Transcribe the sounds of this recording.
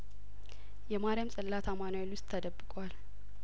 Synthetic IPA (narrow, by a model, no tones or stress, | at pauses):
jɛmaɾɪamsʼɨlːat̪ʰamanaɛlwʊst̪ʼʰːəd̪əbːɨkʼʷal